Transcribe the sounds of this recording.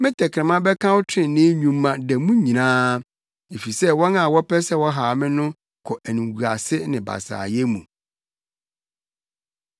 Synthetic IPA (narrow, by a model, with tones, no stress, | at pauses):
mɪ̃˦tʰɛ˨kʰɾɪ̃˨mã˦bɛ˦kʰã˦wʊ˦tʰɪ̃˨nɪ̃˦ɲũ˨mː˦ã˨dɛ˨mũ˦ɲĩ˨nãː˦ | e˨fi˨sɛ˦wɔ̃˦nã˨wɔ˦pɛ˦sɛ˦wɔ˦ɦa˨mɪ̃˦nʊ̃˦ | kʰɔ˨ʔæ˨nũ˨wu˨a˨sɪ˦nɪ̃˨ba̰˨sa̰ː˨jɛ˦mũ˨